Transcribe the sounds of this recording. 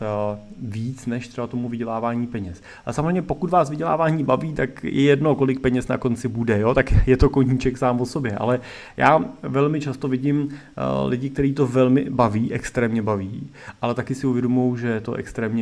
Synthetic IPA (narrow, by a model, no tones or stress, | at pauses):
viːt͡snɛʃt̪r̥ɛbat̪o̞muvɪɟɛlaːvaːɲiːpɛɲɛs | samzreɛmɲɛpo̞kut̪vaːsvɪɟɛla̰ːvaːɲiːbaviːt̪akjʔɛ̰jɛdno̞ko̞lɪk̚pɛɲɛsna̰ko̞nt͡sɪbudɛjo̞ːt̪akjɛt̪o̞ko̞ɲiːt͡ʃɛksaːmvoso̞bjɛʔa̰lɛ | ja̰ːvɛlmɪt͡ʃast̪ovɪɟɪm | lɪɟɪkt̪ɛɾiːt̪o̞vɛlmɪ̰baviːʔɛkst̪ɾɛːmɲɛbaviː | ʔalɛt̪akɪsɪuvjɛdomuowʒɛt̪o̞̰ʔɛ̰kst̪ɾɛːmɲɛ